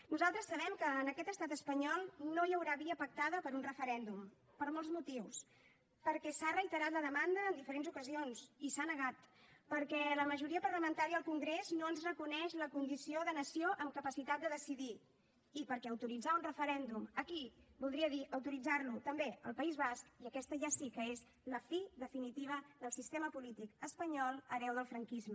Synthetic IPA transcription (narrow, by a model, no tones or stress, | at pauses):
nuzalˠt̪ɾəsːəβ̞ɛmkəːnəkɛt̪əst̪at̪əspəɲɔlˠnojəwɾaβiəpək̚t̪aðəpəɾunrəfəɾɛnd̪um | pəɾmɔlzmut̪iws | pəɾkɛsarəjt̪əɾat̪ləðəmand̪əːnd̪ifəɾenzukəzionsisanəɣat̪pəɾkɛləməʒuɾiəpərləmənt̪aɾiəəlˠkuŋɡɾeznoənzrəkunɛʃləkund̪isioðənəsioʔəmkəpəsit̪at̪̚d̪əðəsiði | ipəɾkɛəwt̪uɾid͡zaunrəfəɾɛnd̪uməkibulˠd̪ɾiəðiʔəwt̪uɾid͡zaɾlut̪əmbeəlˠpəizβaskiəkɛst̪əʒasikəez | ləfiðəfinit̪iβəðəlˠsist̪eməpulit̪ikəspəɲɔlˠəβɛwð̞əlˠfɾəŋkizmə